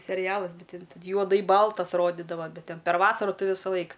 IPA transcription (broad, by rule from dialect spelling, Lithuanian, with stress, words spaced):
sʲɛˈrʲɪjɛlˠɐs ˈbʲɛt tʲɪn t juɔˈdɐɪ ˈbɐlˠtɐs ˈroːdʲɪdɐʋɐ ˈbʲɛt ˈtʲɛn pʲɛr ˈʋɑːsɐrʊ ˈtɐɪ ʋʲɪsɐˈlˠɐɪk